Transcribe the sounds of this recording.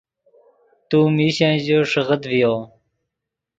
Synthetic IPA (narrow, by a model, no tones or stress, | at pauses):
t̪uːmiːɕãʑoʂəʁət̪vijoː